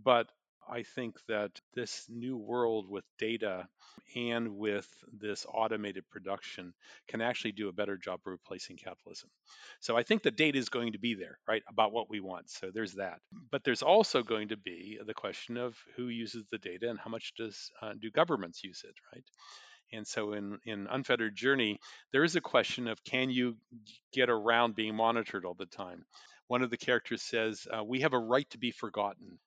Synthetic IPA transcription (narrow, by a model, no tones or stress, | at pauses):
b̥ʌɾ | a̰ɪθɪ̃ŋk̚ðɨt̪̚ðɪsnʉwɜ˞lˠd̚wɪðdeɪɾɨɨ̃nwɪððɪsɔ̰ɾɨmeɪɾɨd̚pʰɹ̥ɨdʌkʃɨ̃nkʰɨ̃næk̚t͡ʃʉl̩ˠidɨːbɛɾə˞d͡ʒɑ̰b̥fə˞pʰl̥eɪsɪ̃ŋkʰæɾl̩ˠɪ̰z̥̃m̩soʊaɪθɪ̃ŋk̚ðɨt̚d̥eɪɾɨɨzɡoʊɪ̃ŋtʰɨbiðə̰˞ɹaɪɾəbaʊt̚wʌʔ̚wiwɑ̰̃ntsoʊðə˞zðɨt̚b̥ʌt̪̚ðə˞zɔlˠsoʊɡoʊɪ̃ŋtʰɨbiðɨkʰw̥ɛst͡ʃɨ̃nʌv̥hʉjʉzɨzðɨdeɪɾɨɨ̃nhaʊmʌt͡ʃd̥ʌz̥dɨɡʌvə˞mɨ̃ntsjʉz̥ɪ̰t̚ɹaɪt̚ɨ̃nsoʊɪ̃nɪ̃nʌ̰̃nfɛɾə˞d̚d͡ʒɜ˞niðə˞ɨzɨkʰw̥ɛst͡ʃɨ̃nʌv̥kʰɨ̃njɨɡ̥ɛɾə˞ãʊ̃nbiɪ̃ŋmɑnɨɾə˞ɾɔlˠðɨtʰãɪ̃m | wʌ̃nʌvðɨkʰɛɹɨk̚tʰə˞z̥sɛz̥wiɨvəɹaɪtʰəbifə˞ɡɑʔn̩